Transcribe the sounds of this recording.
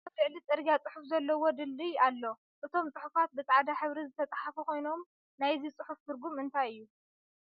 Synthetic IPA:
ɐfɨʕlit͡s̪ʼɨɾɡʲjat͡sʼɨħufzɐlːɐwod̪ɨlːialːo̞ | ʔɨt̪ʰo̞mt͡sʼɨħufat̪̚bɨt͡sʼʕad̪aħɨβɾizɨt̪ʰɐt͡s̪ʼaħafukʰo̞jno̞m | najzit͡sʼɨħuft̪ʰɨɾɡumɨnt̪ʰajɨjːu

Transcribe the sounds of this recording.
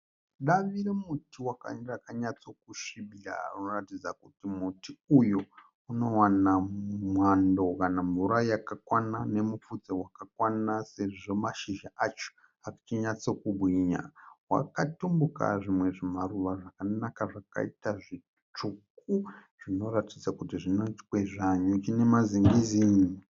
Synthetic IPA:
ɗaʋiɾemutiwaka̰rakaɲat͡so̞kuʃiɓia̰runoratid͡zakutimutiuju | uno̞wanamwando̞kanaɱvuɾajakakwanane̞mufud͡zewakakwanase̞ʐo̞maʃiʒaʔat͡ʃo̥ | akḁt͡ʃiɲat͡so̞kubʱwiɲa̰wa̰katumbuka̰ʐimwe̞ʐimaruʋaʐakanakaʐaka̰itaʐi | t͡ʂuk̚uʐ̥ino̞ɾatid͡zakutiʐinoitkweʐaɲukine̞maziŋɡiziːni

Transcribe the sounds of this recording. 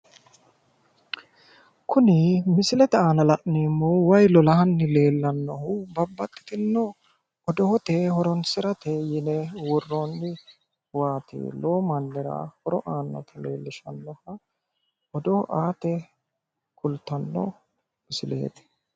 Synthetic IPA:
kʊnɪmɪsɪlɛt̪ɛaːnɐlɐʔneːmːowɐjlɔlɐhɐnːɪle̞ːlːɐnːɔhʊbɐbːɐt̪ʼːɪ̥t̪ɪnːɔ | ɔd̪ɔhɔt̪eːhɔɾɔnsɪɾɐt̪ejɪnɛwɔrːoːnːɪ | waːt̪ɪ̰ːlo̞ːmɐnːɛɾɐ̰hɔɾɔʔaːnːɐ̰t̪ʰɐle̞̰ːlːɪʃɐnːɔhɐ | ɔd̪ɔhʔaːt̪ɛ | kʊlt̪ːɐnːɔ̰ | mɪsɪlḛːt̪ɛ̥

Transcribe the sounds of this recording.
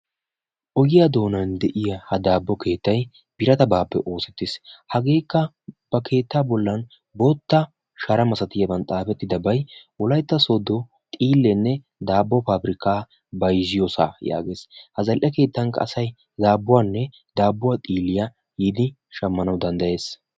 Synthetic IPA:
ʔɔɡɪjad̪o̞ːnɐnd̪ɛʔɪjɐhɐd̪aːbːɔke̞ːt̪ːɐj | b̥ɪɾɐt̪ɐbaːpːɛ̰ʔo̞ːsɛt̪ːɪshɐɡe̞ːkːɐ | b̥ɐkʰe̞ːt̪ːaːbɔlːɐn | bo̞ːt̪ːɐ | ʃɐɾɐmɐsɐt̪ɪjɐbɐnt̪ʼaːfɛt̪ːɪd̪ɐbɐjwɔlɐjt̪ːɐsɔd̪ɔ | t̪ʼiːlːɛnːɛ | d̪aːbːɔpaːbɾɪkaː | bɐjzɪjɔsa̰ːja̰ːɡe̞ːshɐzɐlʔɐke̞ːt̪ːɐŋkːɐ̰ɐsɐj | d̪aːbːʊwaːnːɛ | d̪aːbːʊwat̪ʼiːlːɪjɐ | jɪd̪ɪ | ʃɐmːɐnɐwd̪ɐnd̪ɐje̞ːs

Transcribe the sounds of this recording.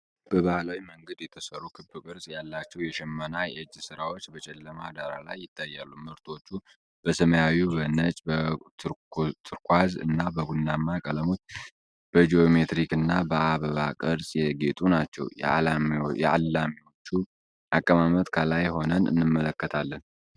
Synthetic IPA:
b̥əβahlawiməŋɡəd̪jɛt̪ʰəsəɾːukʰɨbɨkʼɨɾsʼjalːat͡ʃːɛwjɛʃɛmːənajɛɨd͡ʒːsɨɾawot͡ʃːbət͡ʃʼɛlːəmaad̪aɾa̰lajːɪt̪ʰʼːajːalːumɨɾt̪ʰo̞t͡ʃːu | b̥əsəməjawubənət͡ʃʼbə | t̪ʰɨɾkʰʷazɨ̰nːabəɡunːamːakʼələmot͡ʃː | b̥əd͡ʒio̞met̪ɾikɨnːabəaβəβakʼəɾsʼjɛɡe̞t̪ʼunat͡ʃːɛ̰wj̰ | jɛ̰a̰lːamiwo̞t͡ʃːu | ʔakʼːəmamət̪kʰəlajho̞nənɨ̰nːɨmːələkːət̪ʰalːən

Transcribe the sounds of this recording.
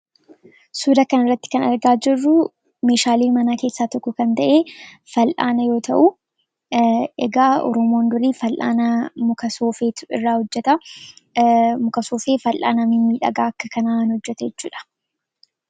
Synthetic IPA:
suːd̪ɐkɐnɪrːɐt̪ːɪ̥kɐnɐɾɡaːd͡ʒɪrːʊ | meːʃaːliːnmɐnaːke̞ːsːaːt̪ɔkːɔkɐnt̪ɐʔe̞ː | fɐlʔa̰ːnɐjo̞ːt̪ʰɐʔʊ | ɛɡaːʔɔ̰ɾɔmoːnd̪ʊɾiːfɐlʔa̰ːnɐmʊkɐsoːfeːt̪ɪrːaːhɔd͡ʒːɛt̪ɐ | mʊkɐsoːfeːfɐlʔa̰ːnɐmɪmiːᶑɐ̰ɡaːɐkːɐkɐnaːnhɔd͡ʒːɛt̪ɐjɛt͡ʃːuːᶑɐ̥

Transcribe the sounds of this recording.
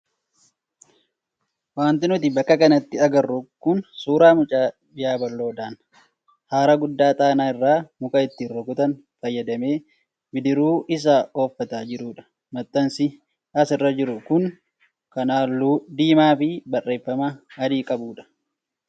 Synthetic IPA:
waːnt̪ɪnʊt̪ɪbɐkʼːɐkɐnɐt̪ːɪɐɡɐrːʊkːʊnsuːɾaːmʊt͡ʃʼaːbɪjaːbɐlːo̞ːd̪aːn | haːɾɐɡʊd̪ːaːt̪ʼaːnaːɪrːaːmʊkʼɐɪt̪ːɪrːɔɡʊt̪ɐn | fɐjːɐd̪ɐme̞ː | bɪd̪ɪɾuːɪs̬aːo̞ːfːɐt̪aːd͡ʒɪɾuːᶑɐ̥ | mɐt̪ʼːɐnsɪ | ɐsɪrːɐd͡ʒɪɾʊkʊŋ | kɐnaːluːd̪iːmaːfɪbɐrːe̞ːfːɐmɐɐd̪iːkʼɐbuːᶑɐ̥

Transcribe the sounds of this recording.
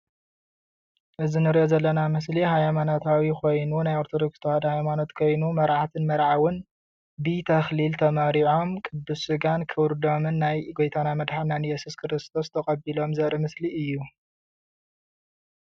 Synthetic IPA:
ʔɨzinɨɾiʔozɐlːɐnamɨs̬liɦajmanot̪ʰawikʰo̞jnunajoɾt̪ʰod̪okst̪ʰad̪hajmano̞t̪kʰo̞jnumɐɾʕat̪ʰɨnmɐɾʕawɨn | bɨt̪ʰɐxlilt̪ʰɐmaɾiʕo̞mkʼɨd̪ːusɨɡankʰɨwɾd̪o̞mɨnːajɡojt̪ʰanamɐd̪ħananjɛsuskʰɨɾɨst̪ʰo̞st̪ʰɐkʼɐbilo̞mzɐɾimɨsliɨjːu

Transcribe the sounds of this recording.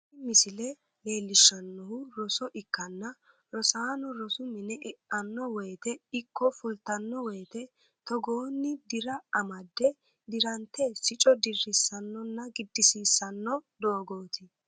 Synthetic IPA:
ɪmɪsɪlɛ | le̞ːlːɪʃːɐnːɔhʊɾɔsɔʔɪkːɐnːɐ | ɾɔsaːnɔɾɔsʊmɪnɛʔɛʔɐnːɔwɔjt̪ɛɪkːɔfʊlt̪ɐnːɔwɔjt̪ɛ | t̪ɔɡoːnːɪd̪ɪɾɐɐmɐd̪ːɛ | d̪ɪɾɐnt̪ːɛsɪt͡ʃʼɔd̪ɪrːɪsːɐnːɔnːɐɡɪd̪ːɪsiːsːɐnːɔd̪oːɡoːt̪ɪ

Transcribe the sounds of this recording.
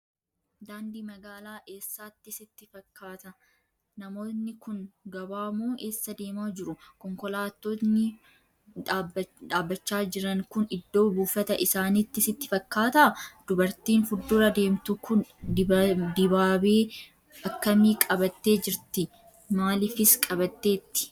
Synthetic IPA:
d̪aːnd̪iːmɐɡaːlaːʔeːsːaːt̪ːɪsɪt̪ːɪfɐkːaːt̪ɐ | nɐmo̞ːt̪nːɪkʊŋɡɐbaːmoːʔe̞ːsːɐd̪e̞ːmaːd͡ʒɪɾʊkɔŋkɔlaːt̪ːonɪ | d̪aːbːɐt͡ʃːaːd͡ʒɪɾɐŋkʊnɪd̪ːo̞ːbuːfɐt̪ɐʔɪsaːnit̪ːɪsɪt̪ːɪ̥fɐkːaːt̪ɐd̪̥ʊbɐɾt̪iːnfʊd̪ːʊɾɐd̪e̞ːmt̪ʊkʊn | d̪ɪbaːbeː | ɐkːɐmiːkʼɐbɐt̪ːe̞ːd͡ʒɪɾt̪ɪ | maːlɪfɪskʼɐbɐt̪ːe̞ːt̪ːɪ̥

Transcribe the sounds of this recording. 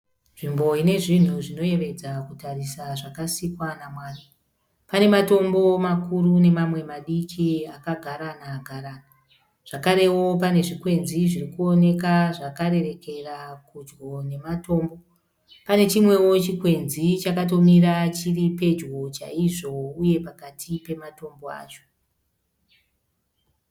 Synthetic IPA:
ʐimbo̞ine̞ʐin̤uʐino̞je̞ʋe̞d͡zakutarisaʐakasikwanamwaːna | pane̞mato̞mbo̞makurune̞mamwe̞maɗikʰiakaɡʱaɾanaɡʱaɾaːna | ʐ̥akaɾe̞wo̞p̬ane̞ʐikwe̞nziʐirikuo̞ne̞kaʐakaɾe̞re̞ke̞rakud͡ʒɡo̞ne̞mato̞ːmbo̞ | pane̞t͡ʃimwe̞wo̞t͡ʃikwe̞nzit͡ʃakato̞miɾat͡ʃiripe̞d͡ʒɡo̞t͡ʃa̰iʐo̞uje̞pakatʰipe̞mato̞mbo̞a̰ːt͡ʃo̥

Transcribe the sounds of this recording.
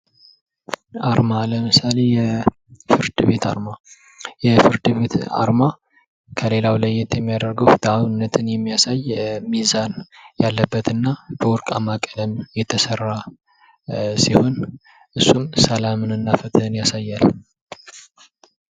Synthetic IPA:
ʔaɾmaləmɨsale̞jɛ | fɨɾd̪ɨβe̞t̪ʰa̰ɾma | jɛfɨɾd̪ɨβe̞t̪a̰ɾma | kʰəle̞lawlajːɛt̪jɛmːijad̪əɾɡəwd̪̥aβnːət̪ʰɨnjɛmːijasajmizanjalːəbːət̪ʰɨnːab̥əwʊɾkʼamakʼələmjɛt̪ʰəsərːa | siho̞n | ʔɨsːumsəlamɨnɨnːafət̪ʰɨɨnjasajːal

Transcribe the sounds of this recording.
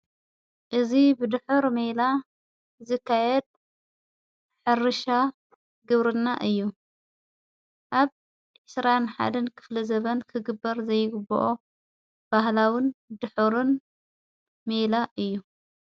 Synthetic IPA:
ʔɨzibɨd̪ɨħɨɾmela | zɨkʰːajɛd̪̚ | ħɨrɨʃa | ɡɨβɾɨnːaʔɨjːu | ʔaβ | ʕɨsɾanħa̰d̪ɐnkʰɨ̥flɐzɐβɐnkʰɨɡɨbːɐɾzɐjːɪɡɨbo̰ʔo | b̥ahlawɪnd̪ɨħuɾɨn | melaʔɨjːu

